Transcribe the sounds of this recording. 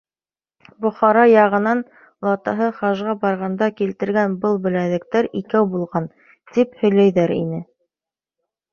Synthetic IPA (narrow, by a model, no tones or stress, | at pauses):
bŏχɑɾɑjɑʁɤ̆nɑn | lˠɑt̪ɑɦɤχɑʒʁɑbɑɾʁɑnd̪ɑkilt̪ɘ̆ɾɡænbɤlˠbɘ̆læðɘ̆k̚t̪æɾikæwbulˠʁɑn | t̪iphɵ̆jlæjðæɾḭnɘ